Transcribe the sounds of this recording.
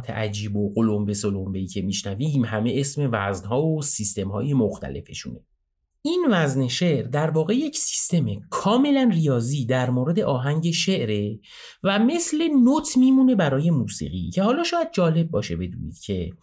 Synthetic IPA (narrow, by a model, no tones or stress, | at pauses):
t̪ʰḛʔæ̰d͡ʒiːboqolombe̞solombe̞iːcʲʰe̞miʃnæviːmhæme̞ʔesme̞væznɦɒːvosist̪e̞mhɒ̰ːje̞moxt̪ʰæ̰le̞̰fe̞ʃṵːne̞ | ʔinvæzneʃe̞ʔɾd̪æɾvɒːɣe̞je̞cʰsi̥st̪e̞me̞kʰɒːme̞lænrijɒːziːd̪æɾmoːɾe̞d̪eʔɒːɦæɲɟe̞ʃeʔɾe̞ | væme̞sle̞not̪ʰmiːmuːne̞bæɾɒːje̞muːsḭːɣḭcʰe̞hɒːlɒːʃɒːjæd̪̚d͡ʒɒːle̞b̚ːɒːʃe̞be̞d̪ṵːnḭːd̪̥cʰe̞